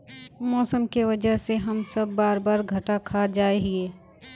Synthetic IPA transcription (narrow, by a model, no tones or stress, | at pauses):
mɔːsəmkiʋɐd͡ʒəɦseɦɐmsɐbːaːɾbaːɾɡʱɐʈakʰad͡ʒaːeɦeː